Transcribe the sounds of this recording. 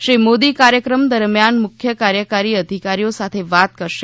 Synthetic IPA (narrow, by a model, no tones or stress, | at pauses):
ʃɾimod̪ikaɾjəkɾəmd̪əɾmjanmʊkʰjəkaɾjəkaɾiəd̪ʱikaɾijosat̪ʰeʋat̪kəɾʃe